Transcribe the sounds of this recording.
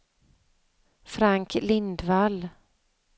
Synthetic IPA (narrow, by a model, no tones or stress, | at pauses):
fɾaŋklɪnd̪val